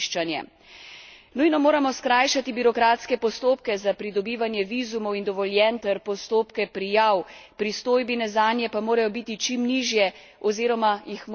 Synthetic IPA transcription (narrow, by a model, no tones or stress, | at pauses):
ʃt͡ʃanjɛ̰ | nujnɔmoːɾamɔskɾaːjʃat̪ibiɾɔkɾaːt̪skɛpɔst̪oːpkɛzapɾid̪ɔbiːʋanjɛʋiːzumɔwind̪ɔʋɔljɛnt̪ɛɾpɔst̪oːpkɛpɾijawpɾist̪oːjbinɛzaːnjɛpamoːɾajɔbiːt̪it͡ʃimniːʒjɛ | ɔziːɾɔmajixm